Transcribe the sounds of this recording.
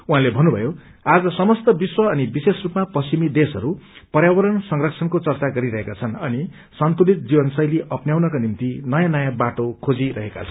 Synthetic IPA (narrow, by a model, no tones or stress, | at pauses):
uɦãlebʱʌnːubʱʌjo | ad͡zʌsʌmʌst̪ʌbiswʌːnibisesrupmaprʌsimid̪esʌɾupʌɾjawʌɾʌnsʌŋrʌksʰʌnkot͡sʌrt͡saɡʌɾiɾʌɦekat͡sʰʌnʌni | sʌnt̪ulit̪̚d͡zibʌnsʌjliʔʌpnjawnʌkanimt̪inʌjãnʌjãbaʈokʰod͡ziɾʌɦeka̰t͡sʰʌn